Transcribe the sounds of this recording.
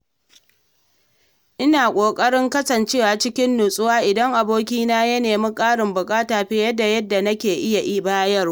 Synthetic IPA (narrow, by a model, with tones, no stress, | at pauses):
ʔɪ˦naː˨kʷʼoː˨kʼɐ˦ɽɪ˦ŋkɐ˦sɐ˨nt͡ʃeː˦waː˨t͡ʃɪ˦kʲɪ˦nːʊ˨sʼʊ˦waː˦ʔɪ˨dɐ˦ŋʔa˨boː˦k̬ʲiː˦naː˦jɐ˦neː˨mɪ˦kʼaː˦ɽɪ˨mbʊ˨kʼaː˦taː˨ɸeː˦jɐ˦dːa˨jɐ˦dːa˨nɐ˦kʲeː˨ʔɪ˦ja˨ʔi˦baː˦jɐ˦r